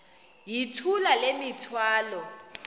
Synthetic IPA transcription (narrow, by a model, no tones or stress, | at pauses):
jitʰulalemitʰwaːlɔ